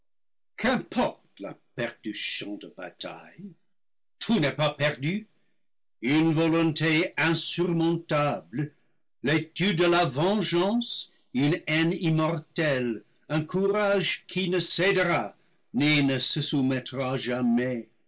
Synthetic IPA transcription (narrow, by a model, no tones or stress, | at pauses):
kʰɛ̃pʰɔʁt̪la̰pɛʁdysjɔ̃dəba̰tʰa̰j | tʰunɛpapɛʁdy | ynvɔlɔ̃teɛ̃syʁmɔ̃tabl | letyd̪ːəlavɑ̃ʒɑ̃s | ynɛnimɔʁtɛl | ɛ̃kʰuʁaʒkʰinəsɛdʁa | nenəsəsumɛtʁaʒamɛ